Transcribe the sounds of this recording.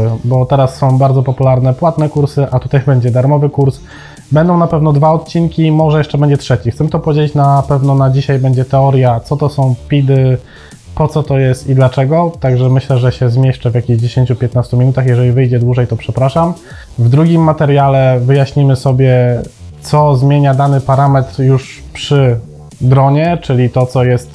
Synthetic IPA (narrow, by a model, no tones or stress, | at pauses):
bɔt̪ɛɾasːɔ̃w̃baɾd̪zɔpɔpulaɾn̪ɛpwat̪nɛkuɾsɘʔat̪ut̪ajbɛɲd͡ʑɛd̪aɾmɔvɘkuɾs | bɛnd̪ɔ̃w̃napɛvnɔd̪vaɔt̪̚t͡ɕinkʲimɔʐɛjɛʂt͡ʂɛbɛɲd͡ʑɛtʂɛt͡ɕixt̪sɛmɘt̪ɔpɔvʲd͡ʑelʲit͡ɕnapɛvnɔnad͡ʑiɕajbɛɲd͡ʑɛt̪ɛɔɾʲjat̪sɔt̪ɔsɔ̃w̃pʲid̪ɘ | pɔt̪sɔt̪ɔjɛst̪id̪lat͡ʂɛɡɔt̪aɡʐɛmɘɕlɛʐɛɕɛzmʲjɛʂt͡ʂɛvjakʲiʑd͡ʑeɕeɲt͡ɕupʲjɛt̪nast̪umʲinut̪axjɛʐɛlʲivɘjd͡ʑɛd̪wuʐɛjt̪ɔpʂɛpɾaʂam | vd̪ɾuɡʲimːat̪ɛɾjalɛvɘjaɕɲimɘsɔbʲjɛ | t̪sɔzmʲjeɲad̪anɘpaɾamɛt̪ɾjuʂ | pʂɘ | d̪ɾɔɲɛt͡ʂɘlʲit̪ɔt̪sɔjɛst̪